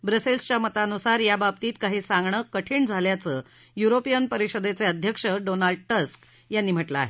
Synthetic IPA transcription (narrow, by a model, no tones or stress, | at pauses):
bɾəselst͡ɕamət̪aənusaɾjabab̚t̪iːt̪kaɦisaŋɡɳəkəʈʰiːɳd͡zʱaljat͡sə | juɾopijənpəɾiʂəd̪et͡seəd̪ʱjəkʂəɖonalɖʈəsk | janːim̤əʈlaa̰ɦe